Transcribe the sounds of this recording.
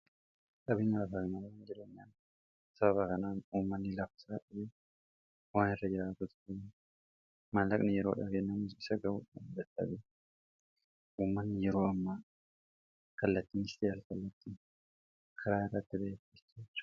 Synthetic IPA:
kʼɐbɪŋɐlɐfɐkɪmɐlɐkɐnd͡ʒɛɾɐnːan | sɐbɐβɐkɐnaːnuːmːɐnːɪlɐfɪ̥saːᶑɐfe | waːnɪrːɐd͡ʒɪɾaːt̪ʊt̪kɪn | malːɐkʼnɪjɛɾoːᶑɐɡenːɐmʊsɪsɐɡɐwʊᶑɐnd̪ɐt̪ːɐ̰bɛ | ʔuːmːɐnːɪjɛɾo̞ːɐmːɐ | kɐlːɐt̪ːinɪst̪eːɾkɐlːɐt̪ːi | kʰɐɾaːɪrːɐt̪ːɪbɐt̪ːɪtːetːɐ̥

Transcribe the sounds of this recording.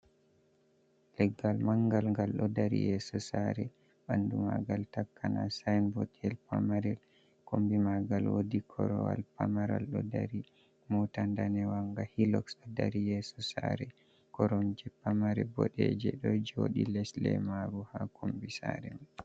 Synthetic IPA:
lɛɡːalmaŋɡalŋɡalɗɔdaɾḭjɛsɔsaɾɛ | ɓandumaɡaltakːanasajnbotɛlpamaɾɛl | kombimaɡalwodikʰɔɾɔwa̰lpamaɾa̰lɗɔdaɾi | mɔtandanɛwaŋɡahilɔksɗɔdaɾijɛsɔsaɾɛ | kɔɾɔnd͡ʒɛpamaɾɛbɔ̰ɗɛd͡ʒɛɗɔd͡ʒoɗilɛslɛ̰maɾuhakʰombisaɾɛm

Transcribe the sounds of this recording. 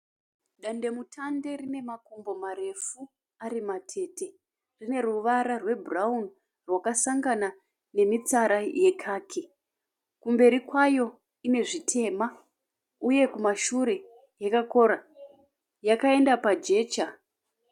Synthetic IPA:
ɗande̞mutʰande̞rine̞makombo̞maɾe̞fu | arimatʰe̞te̞ | rine̞ruʋaɾarwe̞buraun | rwakasaŋɡana | ne̞mit͡saɾaje̞kʰaːkʰi | kumbe̞ɾikwajo̞ | ine̞ʐitʰe̞ːma | uje̞kumaʃuɾe̞ | jakako̞ɾa | jakae̞ndapad͡ʒe̞ːt͡ʃa

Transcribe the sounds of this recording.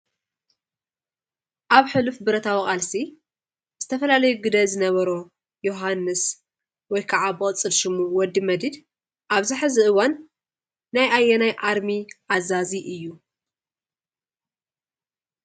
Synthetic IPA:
ʔaβħɨlufbɨɾɐt̪ʰawikʼalsi | z̥ɨt̪ʰɐfɐlalɐjuɡɨd̪ɐzɨnɐβɐɾo | joɦanːɨs | wɔjkʰaʕabɨkʼɨt͡sʼːɨlʃɨmuwɔd̪ːimɐd̪id̪ | ʔaβzɨħɨziʔɨwanː | ajʔajːɛnajʔaɾmiʔazaziʔɨjːu

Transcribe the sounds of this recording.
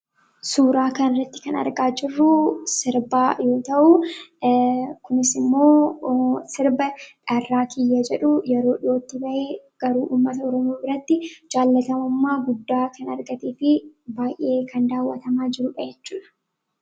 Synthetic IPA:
suːɾaːkɐnɪrːɐt̪ːɪ̥kɐnɐ̰ɾɡaːd͡ʒɪrːʊsɪɾbaːjo̞ːt̪ɐʔu | kʊnɪsɪmːo̞ː | sɪɾbɐᶑɐrːaːkɪjːɐd͡ʒɛᶑʊjɛɾo̞ːᶑɪoːt̪ːɪbɐʔeːɡ̥ɐɾuːʔuːmːɐt̪ɐɔɾɔmoːbɪɾɐt̪ːɪd͡ʒaːlːɐt̪ɐmɐmːaːɡʊd̪ːaːkɐnɐɾɡɐt̪eːfɪbaːjʔe̞ːkʰɐnd̪aːwːɐt̪ɐmaːd͡ʒɪɾʊᶑɐjɛt͡ʃːuːᶑɐ̥

